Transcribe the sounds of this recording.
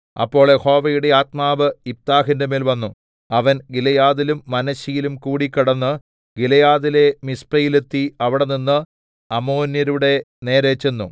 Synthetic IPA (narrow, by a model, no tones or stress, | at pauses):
ɐ̰pːo̞ːɭeho̞ːʋɐjuɽe̞aːt̪̚maːʋɨip̚t̪aːɦindɐmeːlʋɐnːu | ɐʋɐnɡilɐjaːðilumːɐnɐɕijilumkuːɽikːɐɽɐnːɨ | ɡilɐjaːðile̞mispɐjilet̪ːiɐʋiɽeninːɨ | ɐmoːnjɐɾuɽe̞ | ne̞ːɾeːt͡ɕːenːu